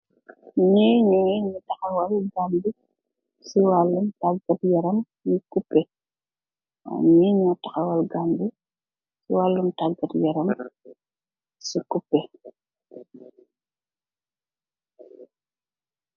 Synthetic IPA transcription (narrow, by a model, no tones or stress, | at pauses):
ɲiɲuiɲutɐxɐwɐlɡambi | siwalːumtaɡɐtjɐɾɐm | ɲikupːɛ | ɔ̰ɲiɲatɐxɐwɐlɡambi | siwalːumtaɡɐtjɐɾɐm | sikupːɛ